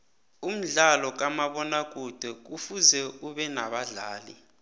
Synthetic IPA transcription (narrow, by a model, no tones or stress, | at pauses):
um̩ɮalɔk̬amaɓɔnak̬ʼud̥ʱɛk̬ufuzɛuɓɛnaɓaɮa̰ːlḭ